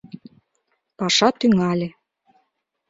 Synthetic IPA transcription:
pɑʃɑt̪yŋælʲĕ

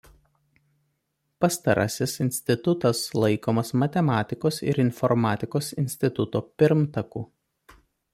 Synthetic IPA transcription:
pɐst̪ɐɾɐ̰sʲɪsɪnʲsʲt̪ʲɪt̪ʊt̪ɐslˠɐɪkoːmɐsmɐt̪ʲɛmɑːt̪ʲɪkoːsɪ̰ɾɪnfɔɾmɑːt̪ʲɪkoːsɪnʲsʲt̪ʲɪt̪ʊt̪oːpʲɪɾmt̪ɐkuː

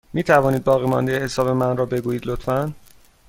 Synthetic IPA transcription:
miːt̪ʰævɒːniːd̪̚bɒːɣiːmɒnd̪ejehe̞sɒːbe̞mænrɒːbe̞ɡuːjiːd̪lot̪fæn

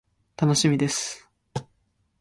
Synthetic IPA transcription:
t̪ano̞ɕimʲid̪e̞sɨ̥

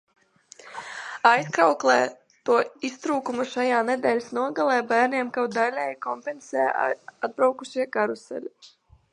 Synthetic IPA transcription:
ajskɾawklˠɛː | t̪uɔist̪ɾuːkumuʃajaːnɛd̪ɛːlʲsnuɔɡalˠɛːbæːɾnʲiɛmkawd̪alʲɛjkɔmpɛnsɛːad̪̚bɾawkuʃiɛkaɾusɛ̰lʲi

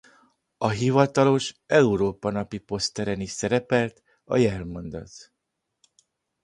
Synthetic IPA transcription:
ɒɦivɒt̪ɒlo̞ʃɛuɾoːpɒnɒpipo̞st̪ɛɾɛniʃsɛɾɛpɛlt̪ | ɒ̰jɛrmond̪ɒ̰t̪

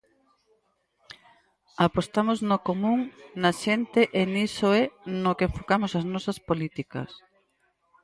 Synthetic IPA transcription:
apost̪amoznokomũŋnɐʃent̪eʔenisoɛnokeeɱfokamosɐznɔsɐspolit̪ikɐ̰s

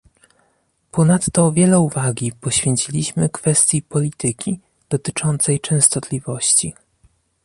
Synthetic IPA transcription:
pʰɔnat̪ːɔvʲjɛlɛuvaɡʲipɔɕfʲjɛɲt͡ɕilʲiɕmɘkfɛst̪ʲjipɔlʲit̪ɘkʲi | d̪̥ɔt̪ɘt͡ʂɔnt̪sɛjt͡ʂɛ̃w̃st̪ɔt̪lʲivɔɕt͡ɕi

